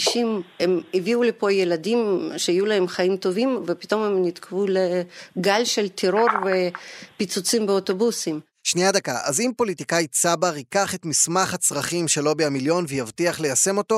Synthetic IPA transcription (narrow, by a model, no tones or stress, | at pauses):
ʃimemiviulepo̞jelad̪imʃeajulahemχaimt̪o̞vimvepi̥t̪o̞memnit̪kʰvuleɡalʃelt̪ʰeɾo̞ɾvepit͡sut͡simbeot̪o̞busim | ʃnijad̪akaʔazimpo̞lit̪ikajt͡sabaʁikaχe̞t̪mismaχhat͡sʁaχimʃe̞lo̞beamiljo̞nvejavt̪iaχle̞jase̞mo̞t̪o̞